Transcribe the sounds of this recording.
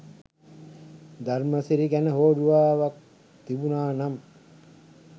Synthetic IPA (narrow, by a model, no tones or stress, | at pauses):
d̪ʱaɾməsiɾiɡænəɦoːɾuʋaːʋak̚ | t̪ibunaːnam